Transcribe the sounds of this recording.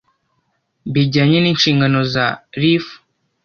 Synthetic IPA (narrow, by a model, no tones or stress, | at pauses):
biɟaɲeniːnʃiːŋɡano̞zaɾif